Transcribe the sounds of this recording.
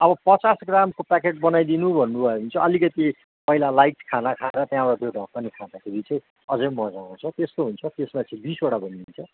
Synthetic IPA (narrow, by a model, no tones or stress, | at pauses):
ʌbʌpʌt͡sasɡramkopakeʈ̚bʌnajd̪inubʱʌnːubʱʌeɦunt͡sʰʌʌlikʌt̪i | pʌɦilalajʈkʰanakʰaeɾʌt̪jãoɽad̪jodʱʌk̚pʌnikʰad̪akʰebit͡sʌj̃ | ʌd͡zʌjmʌd͡zaõt͡sʰʌt̪est̪oɦunt͡sʰʌt̪esmat͡sʰĩbisoɽabʱʌniɦunt͡sʰʌ